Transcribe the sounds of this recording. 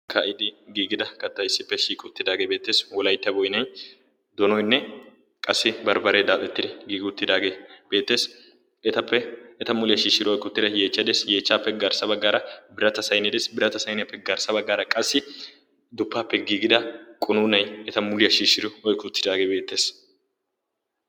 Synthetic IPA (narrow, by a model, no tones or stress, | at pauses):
kʰɐʔɪd̪ɪɡiːɡɪd̪ɐkɐt̪ːɐɪsːɪpːɛʃiːkʼʊt̪ːɪd̪aːɡe̞ːbe̞ːt̪ːe̞ːswɔlɐjt̪ːɐbɔjnɐj | d̪ɔnɔjnːɛ | kʼɐsːɪbɐɾbɐɾeːd̪aːt̪ʼɛt̪ːɪd̪ɛɡiːɡʊt̪ːɪd̪aːɡe̞ːb̥e̞ːt̪ːe̞ːs | ɛt̪ɐpːɛɛt̪ɐmʊlɪjɐʃiːʃːɪɾɪɔjkʊt̪ːɪd̪ɐje̞ːt͡ʃːɐd̪eːsje̞ːt͡ʃːaːpːɛɡɐɾsɐbɐɡːaːɾɐbɪɾɐt̪ɐsɐjnɛd̪eːsbɪɾɐt̪ɐsɐjnɛɐpːɛɡɐɾsɐbɐɡːaːɾɐkʼɐsːɪ | d̪ʊpːaːpːɛɡiːɡɪd̪ɐkʼʊnuːnɐjɛt̪ɐmʊlɪjɐʃiːʃɪɾʊɔjkːʊt̪ːɪd̪aːɡeːbe̞ːt̪ːe̞ːs